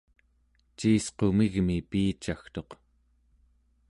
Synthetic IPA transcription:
t͡ʃiːsqo̞miɣmipiːt͡ʃaxt̪o̞q

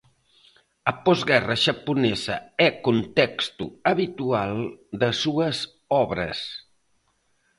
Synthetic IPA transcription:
əpɔzɡɛrəʒəpunɛzə̰ɛkunt̪ɛkst̪ṵəβit̪ualˠd̪əsuəz | ɔβɾə̰s

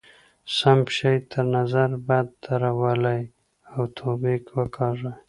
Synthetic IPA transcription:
sambʃajt̪ʰəɾnazaɾbad̪̚ːaɾawalaj | awt̪ʰobikwəkʰɑʐaj

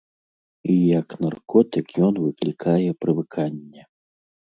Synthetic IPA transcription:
ijɐknarkɔt̪ɨkjɔnvɨklʲikʰajɛpɾɨvɨkʰanʲːɛ

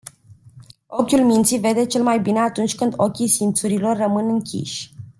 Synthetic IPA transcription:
o̞kʲulmint̪sive̞d̪e̞t͡ʃe̞lmajbine̞at̪unt͡ʃʲkɨnd̪o̞kʲisimpt̪suɾilo̞rːəmɨnɨŋkʲḭʃʲ

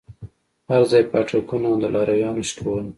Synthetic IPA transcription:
haɾzɑjpaʈakunaad̪əlʔɑɾajɑnoʃkowəl

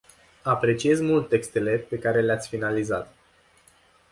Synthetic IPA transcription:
apɾe̞t͡ʃije̞zmult̪ːe̞kst̪e̞le̞pe̞kaɾe̞leat̪sʲfinalizat̪

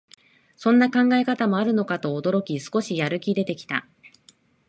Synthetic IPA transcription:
sõ̞nːakãŋɡae̞kat̪amo̞aɾɯ̟no̞kat̪o̞ːd̪o̞ɾo̞kʲisɨ̥ko̞ɕijaɾɯ̟kʲid̪e̞t̪e̞kʲi̥t̪a̰

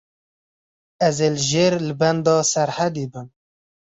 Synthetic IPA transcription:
ɛzeːlʒeːɾlɨbɛnd̪ɑːsɛɾhæd̪ibɨm

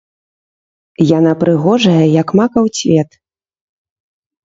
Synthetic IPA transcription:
janapɾɨɣɔʐɐjɐjɐkmakɐwsʲvʲɛt̪

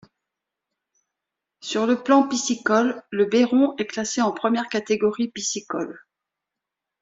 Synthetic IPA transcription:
syʁləplɑ̃pisikɔlːəbeʁɔ̃ɛklaseɑ̃pχəmjɛʁkat̪eɡɔʁipisikɔ̰l

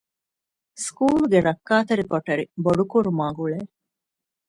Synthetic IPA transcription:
skuːluɡeɾɐkːaːt̪ɐɾikoʈɐɾiboɖukuɾumaːɡuɭeː

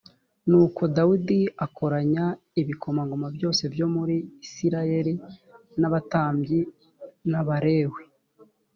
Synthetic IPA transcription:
nuːko̞daudiako̞ɾaɲa | iβikʰo̞maŋɡomabjo̞ːse̞vjo̞muɾiːsiɾaje̞ɾi | naβataːmbɟi | naβaɾe̞ːwe

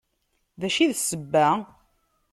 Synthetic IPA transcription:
ðæʃiðsəbːæ

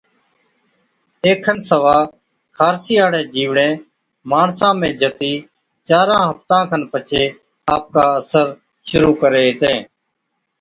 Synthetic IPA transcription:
eːkʰːənsəʋaː | kʰaːɾsiːaːɽẽːd͡ʒiːʋɳẽː | maːɳsãːmẽːd͡ʒət̪iː | t͡ʃaːɾãːɦəpt̪ãːkʰənpət͡ʃʰeː | aːp̚kaːəsəɾ | ʃʊɾuːkəɾeːt̪ẽː

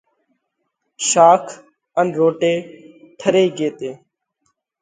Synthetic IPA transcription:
ʃaːkʰ | ənɾoːʈeː | ʈʰəɾeːiɡeːt̪eː

